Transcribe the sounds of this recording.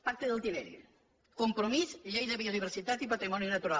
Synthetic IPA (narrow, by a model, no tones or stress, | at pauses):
pak̚t̪eðəlˠt̪iβɛɾi | kumpɾomizʎejðəβioðiβ̞əɾsit̪at̪ipat̪ɾimɔninət̪uɾa